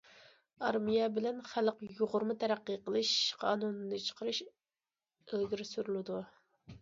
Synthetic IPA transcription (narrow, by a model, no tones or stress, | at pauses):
ɑɾmijɛbɪlɛnχæləqjoʁʊɾmut̪ʰɛɾæqːiqəlˠɨʃqʰɑ̰ːnunːɨt͡ʃʰə̥qʰəɾɨʃ | elɡʲiɾɪsyɾylˠɪd̪u